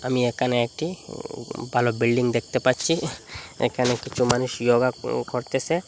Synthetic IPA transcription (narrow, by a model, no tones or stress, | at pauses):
amiekʰaneek̚ʈi | bʱalobilɖiŋd̪ek̚ʰt̪epaɾt͡ʃʰiḛkʰanekit͡ʃʰumanuʃjoɡakoɾt̪esʰe